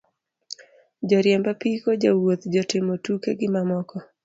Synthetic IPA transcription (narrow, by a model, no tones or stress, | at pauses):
d͡ʒɔɾjɛmbapikod͡ʒawot̪d͡ʒɔtɪmɔtukeɡɪmamɔkɔ